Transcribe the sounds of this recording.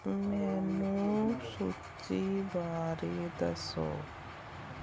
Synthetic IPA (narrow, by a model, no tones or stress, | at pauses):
mɛːnũsu | t͡ʃibaːɾed̪ɐso̰ː